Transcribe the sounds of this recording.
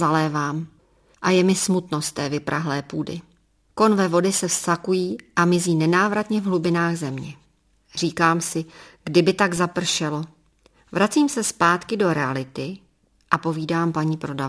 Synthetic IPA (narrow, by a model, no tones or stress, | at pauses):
zalɛːvaːm | ʔajɛmɪsmut̪no̞st̪ːɛːvɪpɾʔaɦlɛːpuːdɪ̰ | ko̞nvɛvo̞dɪsɛfstakujiːʔamɪziːnɛnaːvɾat̪ɲɛvɦlubɪnaːɣzɛmɲɛ | r̝iːkaːmsɪɡ̥dɪbɪt̪aɡzapr̩ʃɛlo̞ | vɾat͡siːmsɛspaːt̪kɪdo̞ɾɛalɪt̪ɪ | ʔapo̞viːdaːmpaɲiːpɾo̞dav